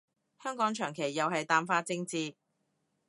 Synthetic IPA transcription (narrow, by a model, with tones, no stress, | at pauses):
hœː˥ŋkɔː˨˥ŋt͡ʃʰœː˨˩ŋkʰe˨˩jːɐ˨wɦɐ˨jt̪aː˨nfaː˧t͡sɪ˧ŋt͡siː˧